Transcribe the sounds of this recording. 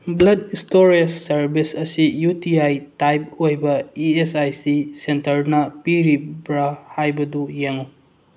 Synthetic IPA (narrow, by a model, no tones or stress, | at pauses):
blɐdistoɾiesːɐɾbisɐsijutiajtajp̚ojbɐiesajsisentɐɾnɐpiɾibɾɐhajbɐdujeŋu